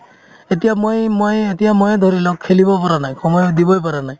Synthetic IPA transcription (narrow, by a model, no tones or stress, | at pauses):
et̪ijamojmojet̪ijamɔjd̪ʱɔɾilɔk̚kʰːelibɔpaɾanajkʰɔmɔjɔd̪ibɔjpaɾanaj̃